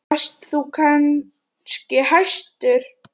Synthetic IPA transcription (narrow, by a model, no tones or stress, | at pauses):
st̪θukʰan | scɪhajst̪ʏɾ̥